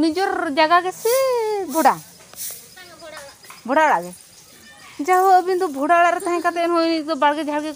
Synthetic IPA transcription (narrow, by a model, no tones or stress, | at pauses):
nid͡ʒɔɾd͡ʒaɡaɡɛsɛbʱɔɖa | bʱɔɽaɽaʔɡɛ | d͡ʒaɦɔːbind̪ɔbʱɔɽaɽaʔɾɛt̪aɦɛ̃kat̪ɛnɦɔjnid̪ɔbaɽɡɛd͡ʒʱaɽɡɛ